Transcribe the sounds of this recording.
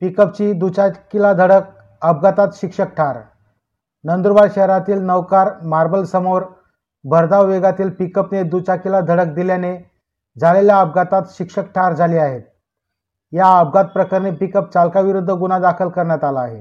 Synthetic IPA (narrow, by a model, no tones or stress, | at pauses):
pikəp̚t͡ɕiːd̪ut͡ɕakilad̪ʱəɽək̚ | əb̚ɡat̪at̪ɕikʂək̚ʈʰaɾ | nənd̪ɾbaɽɕəɦɾat̪iːlnəʋkaɾmaɾbəlsəmoɾ | bʱəɾd̪aʋʋeɡat̪iːlpikəpned̪ut͡ɕakilad̪ʱəɽək̚d̪iljane | d͡zʱaleljaəb̚ɡat̪at̪ɕikʂək̚ʈʰaɾd͡zʱaliːaɦet̪̚ | jaəb̚ɡat̪̚pɾəkəɾnepikəp̚t͡salkaʋiɾud̪ʱːəɡunad̪akʰəlkəɾɳjat̪alaːɦḛ